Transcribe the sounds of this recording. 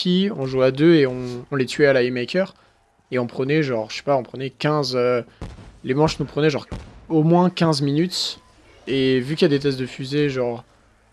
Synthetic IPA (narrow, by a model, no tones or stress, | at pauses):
iɔ̃ʒuad̪øeɔ̃ɔ̃lɛt̪ɥɛalaemɛkʲœʁ | eɔ̃pχənɛʒɑ̃ʁʃɛ̥paɔ̃pχənɛkʲɛ̃zø | lemɑ̃ʃnupχənɛʒɑ̃ʁomwɛ̃kʲɛ̃zminyt̪ | evykʲijad̪et̪̬ɛst̪̬̚d̪əfyzeʒɑ̃ʁ